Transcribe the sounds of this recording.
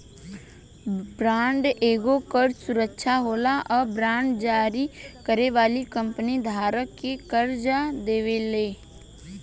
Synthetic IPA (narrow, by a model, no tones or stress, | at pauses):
bɾãːɳɖeːɡokəɾsʊɾəkʃʰaɦoːlaʔɔːɾbɾãːɳɖd͡ʒaːɾikəɾeʋaːlikə̃mpənid̪ʱaːɾəkːekəɾd͡ʒad̪eːʋeleː